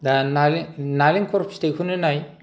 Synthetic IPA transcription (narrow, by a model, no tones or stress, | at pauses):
danalnaliŋkʰɔɾpstekʰunɯnaj